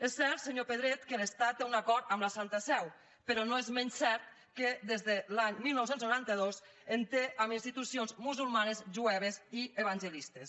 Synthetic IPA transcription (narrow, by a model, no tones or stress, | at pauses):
esːɛɾt̪seɲopəðɾet̪kələst̪at̪ːeunakɔɾt̪əmləsant̪əsɛw | pəɾɔnoezmɛnsɛɾt̪̚ | kəd̪ezðəlaɲmilˠnɔwsenznuɾant̪əð̞os | ent̪eʔaminst̪it̪usionzmuzulˠmanəzʒuɛβezieβanʲʒəlist̪əs